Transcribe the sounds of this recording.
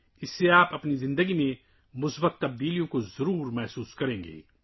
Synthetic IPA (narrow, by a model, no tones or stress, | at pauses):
ɪsːeaːpɐpnizɪ̃nd̪əɡimẽ | mʊsbət̪ːɐb̚d̪iːlijõkozɐɾuːɾmɛɦsuːskɐɾẽːŋɡḛː